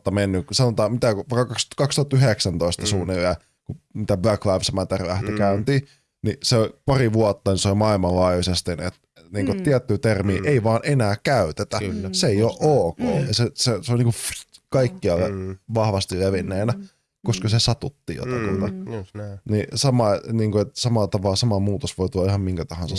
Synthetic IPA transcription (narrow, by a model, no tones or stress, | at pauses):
t̪ːɑmenːysɑnot̪ɑːmmit̪ækʋɑˑikːɑkɑkskɑkst̪uɑt̪yheksænt̪oist̪ɑsuːnilæ | kumit̪æbøklæbsmæt̪erlæht̪ikæynt̪iː | niseolʲpɑriʋuɑt̪ːɑnisolʲmɑilmɑlːɑjjusest̪inḛt̪ | niːŋkot̪iæt̪ːyːt̪ermḭːʔeiʋɑːnenæːkæyt̪et̪æseeijoːʔoːko̰ːeseseseolʲniːkufkɑikːiɑlːeʋɑhʋɑst̪illeʋinːeːnæ | koskɑsesɑt̪ut̪ːḭːjo̰t̪ɑk̪ut̪ɑ | nisɑmɑniːŋkoet̪sɑmɑlːt̪ɑʋɑlːsɑmɑmuːt̪osʋoit̪ulːɑihɑmmiŋkæt̪ɑhɑnse